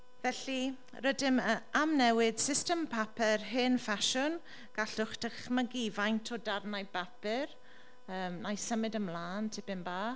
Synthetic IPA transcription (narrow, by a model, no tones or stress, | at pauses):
vɛɬi | rədɪməamnɛwɪd̥sɪstəmpʰapʰɛrɦɪnfaʃʊn | ɡ̥aɬʊχd̥əχməɡivajntʰɔdarnajbapɪr | əːmnajsəmɨdəmlˠaːntʰɪb̥ɪmbaː